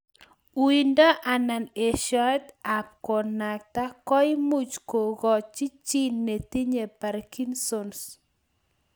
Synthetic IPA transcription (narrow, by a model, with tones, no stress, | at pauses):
wi˨nda˦ʔa˨na˨ne˨ʃɔ˦ɛ˦t̪a˨p̚kɔ˨na˨k̚ta˦kɔ˦i˦mu˦t͡ʃko˨ɣɔ˨t͡ʃi˦t͡ʃi˦nːe˨t̪i˦ɲe˨pa˨ɾki˦nsons